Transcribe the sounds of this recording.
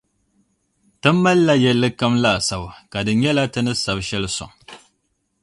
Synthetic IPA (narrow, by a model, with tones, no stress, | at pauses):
tɨ˦mː˦a˦lːa˦jɛ˦lːɨ˦ka˦mla˦˨sa˨bka˨dɨ˨ɲɛ˦la˦tɨ˦nɨ˦sa˨bʃɛ˦lɨ˦sʊ̰˨ŋ